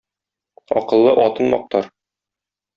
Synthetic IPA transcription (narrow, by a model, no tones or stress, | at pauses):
ɒ̰qɤ̆lˠːɤʔɒt̪ɤnmɒ̰q̚t̪ɑɾ